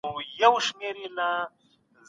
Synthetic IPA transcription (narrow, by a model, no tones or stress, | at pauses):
jɐwʃmeɾila | z